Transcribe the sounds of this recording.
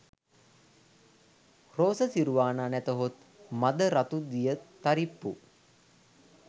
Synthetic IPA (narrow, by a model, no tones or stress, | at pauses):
roːsəsiɾuʋaːnanæt̪əɦot̪ | mad̪əɾat̪ud̪ijət̪aɾipːṵ